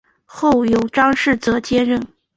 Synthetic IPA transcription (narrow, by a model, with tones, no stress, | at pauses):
xo˥˩ʊjʊ˧˥ʊʈ͡ʂɑ˥ŋʂɻ̩˥˩t͡sɤ˧˥t͡ɕjɛ˥ɻə˥˩n